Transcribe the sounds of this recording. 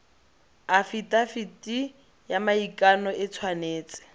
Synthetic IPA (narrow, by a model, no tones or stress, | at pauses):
afitʼafitʼi | jamaikʼanɔʔɪt͡sʰwaneːt͡sʼɪ̥